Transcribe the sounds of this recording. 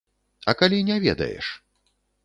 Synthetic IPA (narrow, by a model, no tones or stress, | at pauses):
ɐkalʲinʲɛvʲɛd̪ɐ̰jɛ̰ʂ